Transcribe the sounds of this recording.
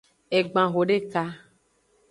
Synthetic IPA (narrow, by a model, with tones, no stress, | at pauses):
e˨ɡ͡bã˨ɣo˨ɖe˦ka˦